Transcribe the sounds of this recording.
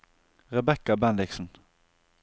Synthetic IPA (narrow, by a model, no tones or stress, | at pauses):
ɾɛbɛkːabɛnd̪ɪksən